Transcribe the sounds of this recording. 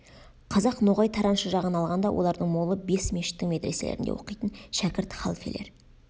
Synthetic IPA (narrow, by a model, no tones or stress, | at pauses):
qʰɑzɑqnoʁɑjt̪ʰɑɾɑnʃəʒɑʁənɑlˠʁɑnd̪ɑwʔo̞lˠɑɾd̪əɴmo̞lˠəbe̞smeʃɪ̥t̪ːɪŋme̞t̪ɾese̞lʔeɾɪnd̪ewʔo̞̰qijt̪ənʃækʲɪɾt̪χɑ̰lˠfeleɾ